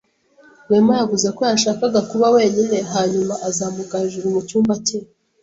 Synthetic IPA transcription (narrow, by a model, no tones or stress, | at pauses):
wemajavuzeko̞jaʃaːkaɡakuβawe̞ːɲine̞ɦaːɲumaʔazaːmukaʒuɾuβucuːmbace